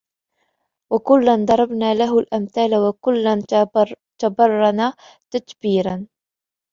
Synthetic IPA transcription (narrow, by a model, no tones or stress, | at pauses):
wakʊlːand̪ˤɑɾˤɑbnaːlaɦʊlʔamθaːlawakʊlːan | t̪abɑrˤːɑna | t̪at̪biːɾan